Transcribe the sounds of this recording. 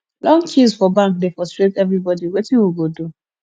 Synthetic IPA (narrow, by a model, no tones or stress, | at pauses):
lɔ̃ŋt͡ʃizfɔbãŋk̚defɔstɹep̚tɛvɹibɔdiwetĩwiɡodu